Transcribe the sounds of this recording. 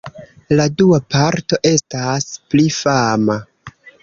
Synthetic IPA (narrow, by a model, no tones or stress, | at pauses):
laduapaɾto̞ʔe̞stasplifama